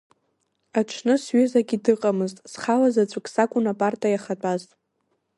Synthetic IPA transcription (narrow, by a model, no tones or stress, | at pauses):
aʈ͡ʂʷʰnɨsɥezaɡʲidɨqʼamɨztʼsχalazat͡ɕʷʼʊkʲʰʼsakʷʼʊnapʼartʼajaχat͡pʷʼaztʼ